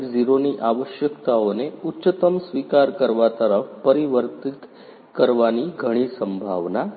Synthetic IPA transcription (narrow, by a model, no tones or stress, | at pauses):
d͡ziɾoniːʔaʋəɕjəkt̪aoneutːɕət̪əmsʋikaɾkəɾʋat̪əɾəfpəɾiʋəɾt̪it̪ | kəɾʋaniːɡʱəɽ̃iːsəmbʱa̰ʋna